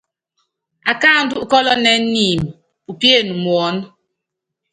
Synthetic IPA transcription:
a˨ka˦˨n̩˦du˦ʔkɔ˦lɔ˦nɛ˦n̩˦ni˨m˨ | u˨pje˦˨nu˨m˨ɔ˨˦n˦

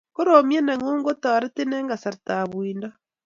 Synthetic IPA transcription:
ko˦ɾomja˦nɛ˨ŋoː˦ŋɡo˦ta˨a˨ɾe˦te˦nɛ˦ŋɡa˨sa˨ɾtaβwiːnda˦

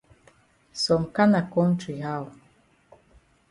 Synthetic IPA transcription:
sɔ˨mka˦na˨kɔ˦n̩˦ti˨ɦa˦˨w

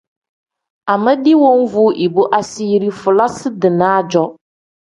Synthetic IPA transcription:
a˨mə˦di˦wo˦ŋ̩˦vʊ˦ʔi˨bo˦ʔa˦si˦ɾi˦fʊ˨la˦sɪ˦dɪ˨naː˦d͡ʒɔ˦

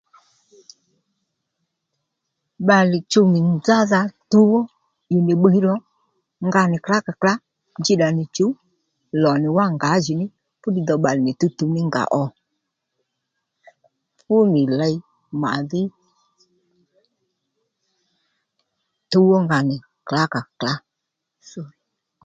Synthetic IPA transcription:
ɓa˨lɪ˨t͡ʃu˧mɪ˨nd͡za˦ða˧tu˦wɔ˦ | ju˨ne˨ɓə˦ɾɔ˦ | ŋɡa˧nɪ˨kla˦ka˨kla˦ | nd͡ʒi˦ɗa˨nɪ˨t͡ʃu˨˦ | lɔ˨nɪ˨wa˦ŋɡa˨˦ʒi˨˦nɪ˦ | fʊ˦di˧ðɔ˧ɓa˨lɪ˨nɪ˨tu˧tu˧nɪ˦ŋɡa̰˨ʔɔ˨ | fʊ˦nɪ˨la˧i˦ | ma̰˨ðɪ˦ | tu˦wɔ˦ŋɡa˨nɪ˨ | kla˦ka˨kla˨˦˨

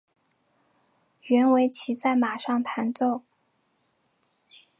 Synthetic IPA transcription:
ɥɛ˧˥nwe˧˥ɪt͡ɕʰi˧˥t͡sa˥˩ɪma˨˩ʂɑ˥˩ŋt̪ʰa˧˥nt͡so˥˩ʊ

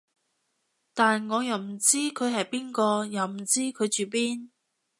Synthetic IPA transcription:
t̪aː˨nŋɔː˨˧jɐ˨˩wm̩˨˩t͡siː˥kʰɵ˨˧ɥɦɐ˨˩jpiː˥nkɔː˧jɐ˨˩wm̩˨˩t͡siː˥kʰɵ˨˧t͡ʃyː˨p̬iː˥n

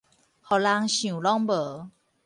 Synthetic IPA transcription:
hɔ˨˩la˧ŋɕjũ˨˩lɔ˥˦ŋbə˨˦

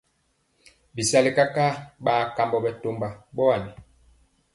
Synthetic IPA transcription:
bi˨sa˦li˨ka˦ka˦ɓaː˨˦˨ka˨mbɔ˨bɛ˨to˨mba˨ɓɔ˦a˨ni˨

